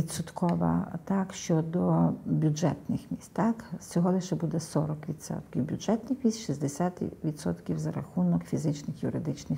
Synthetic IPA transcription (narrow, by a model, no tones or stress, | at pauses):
ʋʲidt̪sʊt̪kɔʋɐ̰t̪ɑkʃt͡ʃɔd̪ɔbʲud͡ʒɛt̪nɪxmʲisʲt̪ʲt̪aksʲt͡sʲɔɦɔlˠɪʃɛbud̪ɛsɔɾɔkʋʲit̪sɔ̰t̪kʲiwbʲʊd͡ʒɛt̪nɪxmʲisʲt̪ʲʃizʲd̪esʲat̪ʋʲit̪sɔ̰t̪kʲiwzɐɾɐxunɔkfʲizɪt͡ʃnɪxjuɾɪd̪ɪt͡ʃnɪx